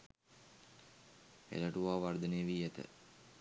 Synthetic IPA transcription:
ḛləʈuʋaːʋard̪əneʋiːet̪ə̰

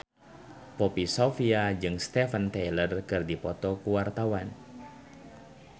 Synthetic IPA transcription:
popisofiad͡ʒɨŋst̪ɛfənt̪ɛlərkɨrdipɔt̪ɔkuwart̪awan

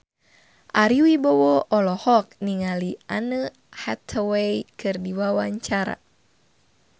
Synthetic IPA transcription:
ʔaɾiwibɔwɔɔlɔhɔk̚niŋalianə | hɛt̪ʰəwejkʰɨrdiwawaɲt͡ʃaɾa̰

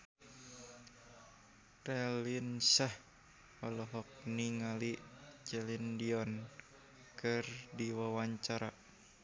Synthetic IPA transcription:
t̪ɛlinsah | ɔlɔɦɔk̚niŋalit͡ʃɛlindiɔn | kɨrdiwawaɲt͡ʃaɾa

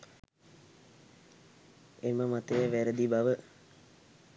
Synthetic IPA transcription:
eməmat̪əjəʋæɾəd̪ibaʋə

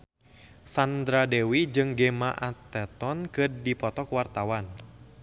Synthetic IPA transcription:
sand̪ɾadɛwid͡ʒɨŋɡemaʔat̪ːɛt̪ɔnkɨrdipɔt̪ɔkwart̪awan

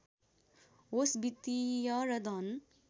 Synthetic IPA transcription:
osbit̪ijʌɾʌd̪ʱʌn

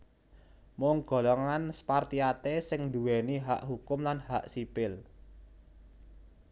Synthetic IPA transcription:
mʊŋɡ̥o̤lɔŋanspart̪iat̪esɪŋnd̪uwɛniɦa̰ʔɦukʊmlanhaʔsipɪl

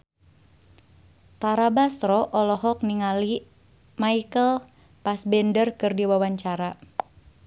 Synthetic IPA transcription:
t̪aɾabast̪ɾɔʔɔlɔɦɔk̚niŋali | maikəl | pasbɛndərkɨrdiwawaɲt͡ʃaɾa

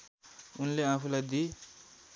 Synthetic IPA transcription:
unleãpʰulajd̪i

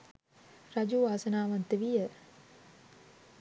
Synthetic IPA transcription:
ɾad͡ʒuːʋaːsənaːʋant̪eʋijə

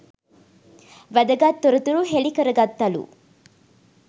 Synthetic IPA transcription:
ʋɐd̪ɐɡat̪ːoɾɐt̪uɾuɦeɭikɐɾɐɡɐt̪ːɐlṵ

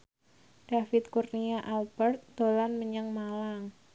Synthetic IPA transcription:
d̥afɪt̪̚kurniaʔalbərt̪̚d̪̥olanməɲəŋmalaŋ

